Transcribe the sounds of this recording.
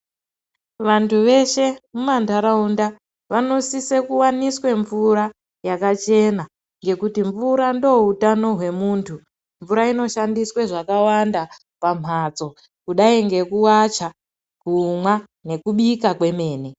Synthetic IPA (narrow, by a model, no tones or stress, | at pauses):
ʋantʰuʋe̞ʃe̞mumandaɾaunda | ʋano̞sisekuwaniswe̞ɱvuɾa | jakat͡ʃe̞na | ŋɡe̞kutiɱvuɾando̞utano̞ɦwe̞muːntʰu | ɱvuɾaino̞ʃandiswe̞ʐakawanda | pam̤ʱat͡so̞ | kuɗaiŋɡe̞kuwat͡ʃa | kumwa | ne̞kuɓikakwe̞me̞ːne